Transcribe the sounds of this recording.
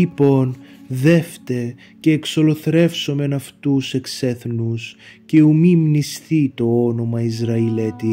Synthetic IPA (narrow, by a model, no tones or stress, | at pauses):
ipo̞nðe̞ft̪e | ce̞ːkso̞lo̞θɾe̞fso̞me̞nɐft̪use̞kseθnusce̞umimnisθit̪o̞ono̞mɐizɾɐilet̪i